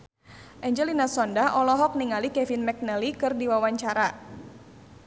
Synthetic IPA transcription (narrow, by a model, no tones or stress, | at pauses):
ʔɛɲd͡ʒɛlinasɔndaʔɔlɔɦɔk̚niŋalikɛvinmɛk̚nɛlikɨrdiwawaɲt͡ʃaɾa